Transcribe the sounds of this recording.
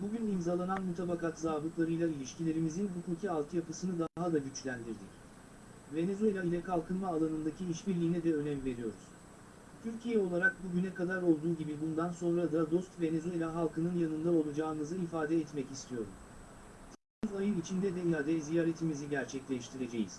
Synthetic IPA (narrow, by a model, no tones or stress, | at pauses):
buɟynimzalˠananmut̪ʰabakat̪zaːbˠɯklˠaɾɯjlˠailʲiʃcilʲe̞ɾimizinɦukʰuːcʰialˠt̪ʰɯjapɯsɯnɯd̪aɦad̪aɟyt͡ʃlʲænd̪iɾd̪ic | ve̞ne̞zue̞lʲailʲɛkʰalˠkʰɯnmaːlˠanɯnd̪acʰiiʃbiɾlʲijːnɛd̪ɛø̞nɛmve̞ɾijo̞ɾṵz̥ | t̪ʰyɾcʰijɛo̞lˠaɾak̚buɟynɛkad̪aɾo̞lˠd̪uːɟibibund̪anso̞nɾad̪ad̪o̞st̪ve̞ne̞zue̞lʲaɦalˠkʰɯnɯnjanɯnd̪ao̞lˠad͡ʒaːɯmɯzɯifaːd̪ɛːt̪mɛcist̪ʰijo̞ɾum | t̪ʰi | yzajɯnit͡ʃʰind̪ɛd̪ɛiad̪ɛzijaːɾe̞t̪ʰimiziɟæɾt͡ʃʰɛclʲɛʃt̪ʰiɾe̞d͡ʒe̞jḭz̥